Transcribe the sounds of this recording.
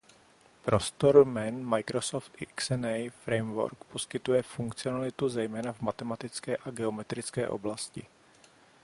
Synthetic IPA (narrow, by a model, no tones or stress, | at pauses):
pɾo̞st̪o̞ɾmɛnmajkɾosoft̪ɪksɛnɛjfɾɛjmvo̰ɾkpo̞skɪt̪ujɛfuŋkt͡sɪonalɪt̪uzɛjmɛːnavmat̪ɛmat̪ɪt͡skɛːʔaɡɛo̞mɛt̪ɾɪt͡skɛ̰ːʔo̰blascɪ̰